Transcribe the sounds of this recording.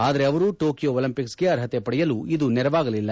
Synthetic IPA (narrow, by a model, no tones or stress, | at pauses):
aːd̪ɐɾe̞ɐʋɐɾuʈoːkijoolɐmpiksɡe̞ɐɾɦɐt̪epɐɽɛjɐluid̪unɛɾɐʋaːɡɐlilːɐ